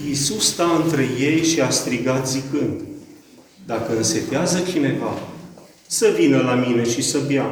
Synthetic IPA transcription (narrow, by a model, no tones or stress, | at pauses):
isust̪aɨnt̪ɾe̞je̞jʃiast̪ɾiɡat̪zikɨnd̪ | d̪akəɨnse̞t̪eazət͡ʃine̞va | səvinəlamine̞ʃisəbja